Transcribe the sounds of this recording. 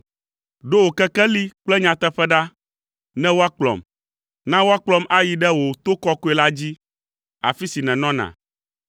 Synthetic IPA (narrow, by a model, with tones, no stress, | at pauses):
ɖo˦wo˨kɛ˦kɛ˦li˦k͡plɛ˦ɲã˨t̪ɛ˦ɸɛ˦ɖa˦ | nɛ̃˦wo˦a˦k͡plɔ̰˨m | nã˦wo˦a˦k͡plɔ˦ma˦ji˨ɖɛ˦wo˨t̪o˦kɔ˦ko˦ɛ˨la˦d͡ʑi˦ | a̰˨fi˦si˨nɛ̃˨nɔ̃˦nã̰˨